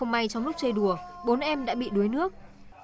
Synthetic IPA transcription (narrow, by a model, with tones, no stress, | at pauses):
ə˧wŋ͡mma˧jt͡ɕɔ˧wŋ͡mlʊ˦˥k͡p̚t͡ɕə˧jɗu˧˩əɓo˨˦nʔɛ˧mɗa̰ː˧˥ɓḭ˧˨ɗu˨˦əjnɨ˦˥ək̚